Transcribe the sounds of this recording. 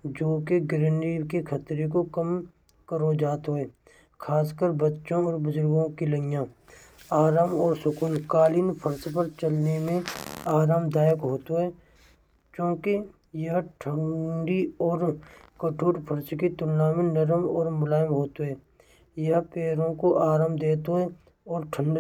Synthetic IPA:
d͡ʒoːkeɡɪɾənikekʰət̪ɾek̬okəm | kəɾod͡ʒaːt̪ɦoɦɛː | kʰaːskəɾbətːʃõɔːɾbʊzʊɾɡõkiləjãː | aːɾaːmɔːɾsʊkuːnkaːliːnpʰəɾsp̬əɾt͡ʃɐlnemẽaːɾaːmd̪aːjəkɦoːt̪oɦɛː | t͡ʃjõːke | jɐɦʈʰəɳɖiɔːɾkəʈʰuːʈpʰəɾskit̪ʊːaːmɪ̃nɐɾəmɔːɾmʊlaːjɪmɦoːt̪oɦɛː | jɐɦpeːɾõkoʔaːɾaːmd̪eːt̪oɦɛ | ɔːɾʈʰə̃ɳɖ

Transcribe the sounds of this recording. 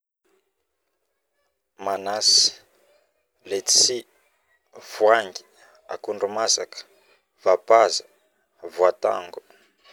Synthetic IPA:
manasi̥ | let͡ssi | v̥waŋɡi | a̰kunɖ͡ʐumasakə̥ | v̥apazə | vuat̪a̰ŋɡu

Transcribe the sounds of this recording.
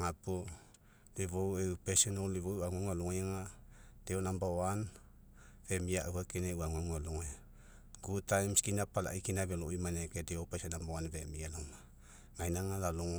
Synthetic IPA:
ŋapo | liβowepesenoliβowaŋaŋaluŋajŋad̥eonambawan | vemiaʔwakeneuaŋaŋaluŋaj | ɡutajmskinapala̰ʔikinaβeloʔimanekedeopesenambawanvemialama | ŋajnaŋalaluŋ

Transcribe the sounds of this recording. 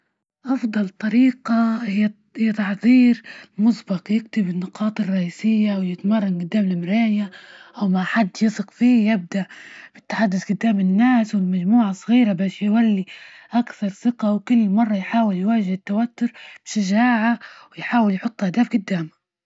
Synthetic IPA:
ʔɑfd̪ˤɑlt̪ˤɑɾiːqɑhɪ | hɪjːat̪ɑħðˤiːɾmʊsbɑqjɪɡt̪ɪbɪnːʊqʰɑːt̪ˤɨrˤːɑʔiːsɪjːawjɪt̪mɑrˤːɑnɡʊd̪ːaːmɪlmɾaːjaʔawmaħad̪ːjɪsˤɨqfiːjɪb̚d̪aʔb̥ɪt̪ːaħad̪ːʊθɡʊd̪ːaːmɪnːaːswɪlmad͡ʒmuːʕɑsˤɣiːɾabaːʃjwalːiʔakθɑɾˤsɪqawkʊlːmɑrˤːɑjħaːwɪljwaːʒɪhɪt̪ːawat̪ːʊɾb̥ɪʃaʒaːʕawɪjħaːwɪljħʊt̪ˤːʔad̪aːbɡʊd̪ːaːma

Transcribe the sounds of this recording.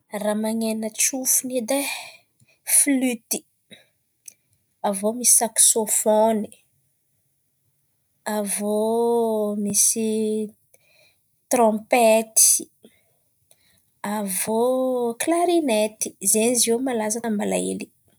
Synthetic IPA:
ramaɲenət͡ʃufunid̪e | flyt̪i̥ | avomisi̥saksofoni̥ | avo | misi | t̪rɔ̃pet̪i̥ | avoklaɾinet̪i̥zenzewmalazanambala̰ḛli̥

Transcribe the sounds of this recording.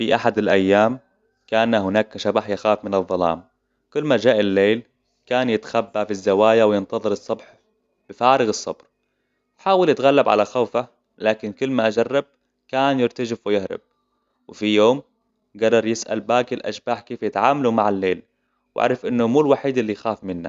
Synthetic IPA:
fiʔaħad̪ɪlʔajːaːm | kaːnahɪnaːkʃabaħjaxaːfmɪnɨðˤːɑlɑ̰ːm | kʊlːmad͡ʒaːʔɪlːeːl | kaːnjɪt̪xabːafizːawaːjawjɪnt̪ɑðˤɨɾɨsˤːɑbħ | b̥ɪfaːɾɪɣɨsˤːɑ̰bɾ | ħaːwalɪt̪ɣalːabʕa̰laxaːfa | laːkɪnkʊlːmaʔad͡ʒarˤːɪb̚ | kaːnjɪɾt̪ad͡ʒɪfwɪjɪhɾɪ̰b̥̚ | wɪfijoːm | ɡad̪ɑɾˤjɪsʔa̰lbaːɡɪlʔa̰ʃbaːħkeːfjɪt̪ʕaːmalumaʕalːeːl | wʔa̰ʕɾˤɑfʔɪnːʊmuːlwaħiːd̪ʔɪlːijxaːfmɪnːa̰

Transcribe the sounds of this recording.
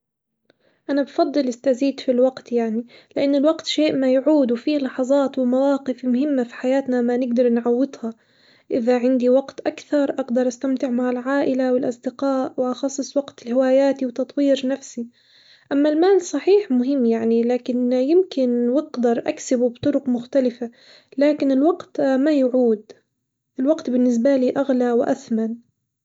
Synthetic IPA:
ʔanabfɑd̪ˤːɨlɪst̪aziːd̪filwaɡt̪jaʕnilɪʔanːɪlwaqt̪ʃeːʔmajʕuːd̪wfiːlɑħɑzˤɑːt̪wɪmawɑːqɪfmʊɦɪmːafi̥ħajaːt̪namanɪɡd̪ɑɾˤnʕɑwːɪd̪hɑ | ʔɪðaʕɪnd̪iwaɡt̪ʔakθɑɾˤʔaɡd̪ɑɾˤʔast̪amt̪ɪʕmaʕalʕaːʔɪlawɪlʔɑsˤd̪ɪqaːʔwʔɑxɑsˤːɨsˤwɑɡt̪ɪlhɪwaːjaːt̪iwt̪ɑt̪ˤwiːɾnafsi | ʔamːalmaːlsˤɑħiːħmʊɦɪmːjaʕnilaːkɪnjɪmkɪnwɪqd̪ɑɾˤʔa̰ksɪbubt̪ˤʊɾʊqmʊxt̪alɪfa | laːkɪnɪlwaɡt̪majʊʕuːd̪ | ʔɪlwaqt̪bɪnːɪs̬baliːʔaɣlawɪʔaθman

